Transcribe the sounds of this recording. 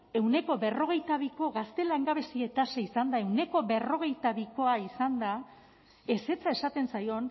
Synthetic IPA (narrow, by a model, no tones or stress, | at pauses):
e̞wne̞ko̞βe̞ro̞ɣ̞e̞jt̪aβiko̞ɣast̪e̞laŋɡaβe̞sie̞t̪aseisand̪ae̞wne̞ko̞βe̞ro̞ɣ̞e̞jt̪aβiko̞aisand̪a | e̞se̞t͡sae̞sat̪e̞nsajo̞n